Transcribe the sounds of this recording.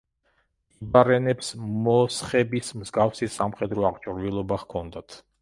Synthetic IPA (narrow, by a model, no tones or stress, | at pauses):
ibaɾɛnɛpsmɔsχɛbismzɡafsisːamχɛd̪ɾɔaʁt͡ʃʼɾvilˠɔbaʁkʰɔnd̪at̪ʰ